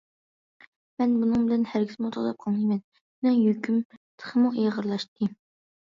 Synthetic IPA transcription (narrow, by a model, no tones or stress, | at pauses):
mɛnbunɨŋbɪlɛnhæɾɡʲizmut̪ʰo̰d̪ɑp̚qʰɑlˠijmɛn | nɛŋjøkʲymt̪ʰə̥χʰəmuʔejʁəɾlˠɑʃt̪ɨ